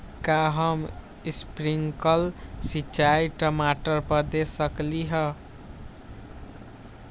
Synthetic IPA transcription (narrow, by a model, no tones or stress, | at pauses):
kaɦʌm | ispɾiŋkʌlsit͡ʃajʈʌmaʈʌrpʌd̪esʌkliɦʌ